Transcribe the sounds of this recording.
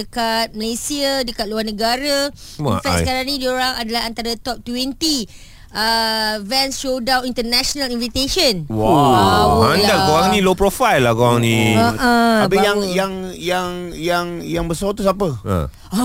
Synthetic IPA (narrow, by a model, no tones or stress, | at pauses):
əkat̪̚məlesiadəkat̪̚luarnəɡaɾəinfɛskaɾaŋnĩdioɾaŋadalaɦant̪aɾət̪ɔp̚t̪wɛnt̪i | əvɛ̃nsʃodãwnint̪ənaʃonalinvit̪eʃənwawoandaowaŋnĩlopɾofajlːakoaŋnĩəʔəabəjaŋjaŋjaŋjaŋjaŋbəsot̪usapəə̰̃